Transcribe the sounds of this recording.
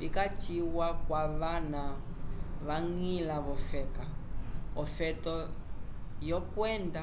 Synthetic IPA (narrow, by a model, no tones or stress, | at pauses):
ikat͡ʃiwakwaβana | βaŋilaβɔfɛkaɔfɛtɔ | jɔkwɛnda